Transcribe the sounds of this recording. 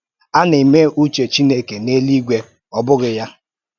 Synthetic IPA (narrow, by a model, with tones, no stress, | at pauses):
a˦nɪ˨me˦ʔu˦t͡ʃe˨t͡ʃi˦ne˦ke˨ne˦li˦ɡʷe˦ | ɔ˨bʊ˦ɣɪ˨ja˦